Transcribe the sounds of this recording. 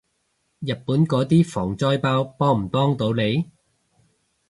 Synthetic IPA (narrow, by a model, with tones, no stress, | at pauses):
jɐ˨t̚pːuː˨˥nkɔː˨˧˥t̪iː˥fɔː˨˩ŋt͡sɔː˥jpaː˧wpɔː˥ŋm̩˨˩pɔː˥ŋt̪o˨˥wle˨˧j